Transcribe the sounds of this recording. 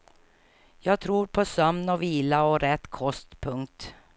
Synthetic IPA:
jɑːɡ̚t̪ʰɾuːɾpʰɔsœmnɔviːlaɔɾɛt̪ːkʰɔst̪pʰɵŋkt̪

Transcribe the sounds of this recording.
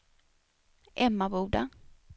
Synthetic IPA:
ɛmːabuːd̪a

